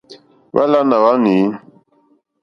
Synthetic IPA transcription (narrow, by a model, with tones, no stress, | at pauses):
wa̰˦la˦na˨wa˦ni˨˦